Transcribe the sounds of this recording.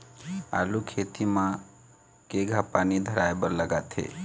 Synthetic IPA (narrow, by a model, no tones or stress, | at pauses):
a̰lukʰet̪imã | keɡʱapanid̪ʱəɾaebəɾləɡat̪ʰḛ